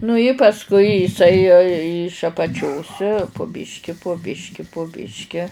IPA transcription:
nʊ ɪ pɐsˈkʊɪ jɪˈsɐɪ ɪʃ ɐpɐˈt͡ʃʲoːs pʊ ˈbʲɪʃʲkʲɪ poː ˈbʲɪʃʲkʲɪ poː ˈbʲɪʃʲkʲɪ

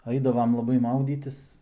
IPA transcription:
ˈɐɪdɐʋɐm lˠɐˈbɐɪ ˈmɐʊdʲiːtʲɪs

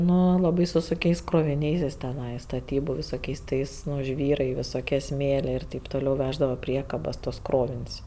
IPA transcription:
ˈnʊ lˠɐˈbɐɪ sʊ sʊŋʲˈkʲɛɪs kroːʋʲɪˈnʲɛɪs jɪs tʲɛˈnɐɪ stɐˈtʲiːbʊ ʋʲɪsoːˈkʲɛɪs ˈtɐɪs ˈnʊ ˈʒʲʋʲiːrɐɪ ʋʲɪsoːˈkʲiɛ ˈsʲmʲeːlʲeː ɪr tʲɛɪp toːˈlʲɛʊ ˈʋʲæːʒdɐʋoː ˈpʲrʲiɛkɐbɐs tuɔs ˈkroːʋʲɪnʲsʲ

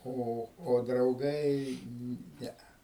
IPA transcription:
ˈoː oː drɐʊˈɡɐɪ ˈnʲɛɐ

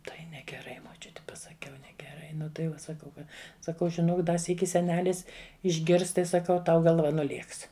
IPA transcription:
ˈtɐɪ nʲɛɡʲɛˈrɐɪ moːˈt͡ʃʲʊtʲɪ pɐsɐˈkʲɛʊ nʲɛɡʲɛˈrɐɪ ˈnʊ tɐɪ ˈʋɐ sɐˈkɐʊ ˈkɐt sɐˈkɐʊ ʒʲɪˈnoːk ˈdɐ ˈsʲiːkʲɪ sʲɛˈnʲæːlʲɪs ɪʒʲˈɡʲɪrs ˈtɐɪ sɐˈkɐʊ ˈtɐʊ ɡɐlˠˈʋɐ nʊˈlʲeːks

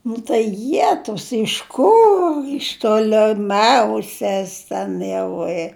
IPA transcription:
nʊ tɐɪ ˈjæːtʊs ɪʃ ˈkʊr ɪʃ toːlʲɛˈmʲɛʊsʲɛs ˈtʲɛn jɛʊ ɪ

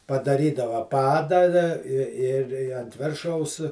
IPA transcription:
pɐdɐˈrʲiːdɐʋɐ ˈpɑːdɑː dɐ ɪ ɪr ɪ ɐnt ˈʋʲɪrʃɐʊs

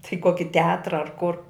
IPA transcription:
tɐɪ ˈkoːkʲɪ tʲɛˈɑːtrɐ ɐr kʊr

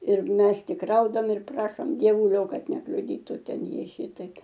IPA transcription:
ɪr ˈmʲɛs ˈtʲɪk ˈrɐʊdɐm ɪr ˈprɑːʃoːm dʲiɛˈʋʊlʲoː ˈkɐt nʲɛklʲʊˈdʲiːtʊ ˈtʲɛn ˈjiɛ ˈʃʲiːtɐɪp

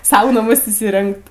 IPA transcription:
ˈsɐʊ nɐˈmʊs iːsʲɪˈrʲɛŋkt

